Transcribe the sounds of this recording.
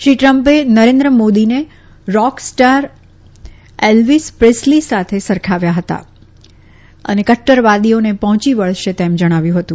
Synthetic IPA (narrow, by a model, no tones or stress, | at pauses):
ʃɾiʈɾəmpenəɾẽnd̪ɾəmod̪ine | ɾɔksʈaɾ | elʋispɾeslisat̪ʰesəɾkʰaʋjaɦət̪a̰ | ə̰nekəʈːəɾʋad̪ionepɔɦɔ̃t͡ʃiʋəɭʃet̪ɛmd͡ʒəɽ̃aʋjũɦət̪ũ